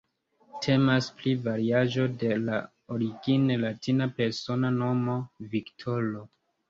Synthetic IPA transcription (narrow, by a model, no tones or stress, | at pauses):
tʰe̞masplivaɾiaʒo̞de̞la | oɾiɡinelatinape̞ɾso̞nano̞mo̞viktʰolo